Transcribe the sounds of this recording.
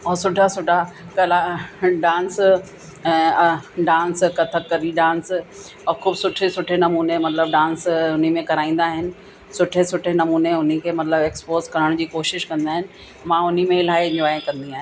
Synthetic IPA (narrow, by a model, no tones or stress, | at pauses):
ɔːsʊʈasʊʈakɐlaɖãːns | ɛ̃ɖãːnskɐt̪ʰəɾkɐɾiɖãːns | ɔxuːbsʊʈʰesʊʈʰenɐmuːnemɐt̪ləb̚ɖãːnsʊn̤imẽkɐɾaːĩːn̆d̪aːɦɪnɪ̆ | sʊʈʰesʊʈʰenɐmuːneʊn̤ikʰeːmɐt̪ləbeːkspoːzkɐɾəɽ̃d͡ʑiːkoːʃɪʃkɐ̃nd̪aːɦɪnɪ̆ | mãʊn̤imẽlaːɪɲoaːẽkɐ̃nd̪iaːɦɪn